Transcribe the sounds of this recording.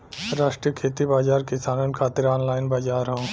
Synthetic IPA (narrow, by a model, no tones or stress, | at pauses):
ɾaːʃʈɾijəkʰeːt̪ibaːd͡ʒaːɾkɪsaːnənkʰaːt̪ɪɾɔːnlaːɪnbaːd͡ʒaːɾɦõ